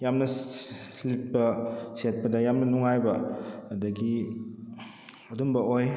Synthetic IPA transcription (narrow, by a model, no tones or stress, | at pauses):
jamnɐsilit̚pɐset̚pɐdɐjamnɐnuŋajbɐdɐɡi | ɐdumbɐoj